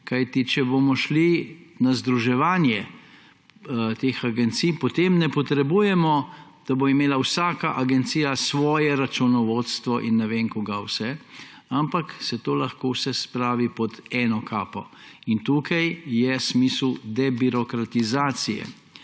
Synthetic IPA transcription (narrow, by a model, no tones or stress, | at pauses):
kajt̪it͡ʃɛbomɔʃlinazd̪ɾuʒɛʋaːnjɛ | t̪exaɡɛnt̪sijpɔt̪emnɛpɔt̪ɾɛbujɛmɔ | d̪̥aboimeːlawsaːkaʔaɡɛnt̪siːjasʋɔːjɛɾat͡ʃunɔʋot̪st̪ʋɔʔinːɛʋeŋkɔɡawsɛ | ampaksɛt̪oːlɐxkowsɛspɾaːʋipɔd̪ɛːnɔkʰaːpɔ | int̪uːkajjɛsmiːslud̪ɛbiɾɔkɾat̪izaːt̪sijɛ̰